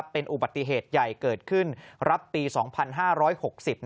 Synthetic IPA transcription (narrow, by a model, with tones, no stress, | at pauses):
pːe˧nʔu˨˩ba˨˩t̪ːi˨˩ɦeː˨˩t̪̚ja˨˩jkɤː˨˩t̪̚kʰɯ˥˩nɾa˦˥pːiː˧sɔː˩˦ŋpʰa˧nɦaː˥˩ɾɔː˦˥jho˨˩k̚si˨˩p̚